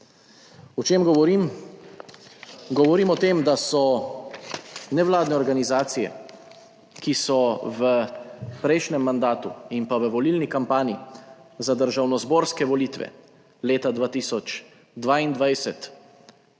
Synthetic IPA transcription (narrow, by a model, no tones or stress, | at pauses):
ɔt͡ʃeːmɡɔʋɔɾim | ɡɔʋɔɾiːmɔt̪eːmd̪asɔ | nɛʋlaːd̪nɛɔɾɡanizaːt̪sijɛ̰ | kisɔʋəpɾɛjʃnɛmːand̪aːt̪ṵimpaʋəʋɔliːlnikampaːnizad̪əɾʒawnɔzbɔːɾskɛʋɔliːt̪ʋɛ̰ | leːt̪ad̪ʋaːt̪isɔt͡ʃ | d̪ʋaːind̪ʋajsɛt̪